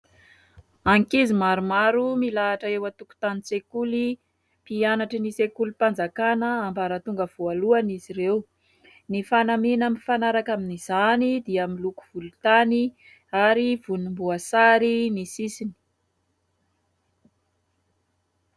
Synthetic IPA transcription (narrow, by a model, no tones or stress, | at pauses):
aŋkizimaɾumaɾumilaːʈ͡ʂəewat̪uku̥t̪anit͡sekuli | pianaʈ͡ʂənisekulipand͡zakanəambaɾat̪uŋɡəv̥ualuaniziɾew | nifanamenamifanaɾakaminiz̥anid̪iamiluku̥v̥ulut̪ani | aɾiv̥unumbuasaɾinisisini̥